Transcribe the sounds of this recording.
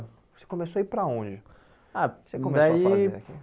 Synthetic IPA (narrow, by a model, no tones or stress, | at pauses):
ose̥kõmesoaipɾaõd͡ʒɪ | asekomed̪saoiaaki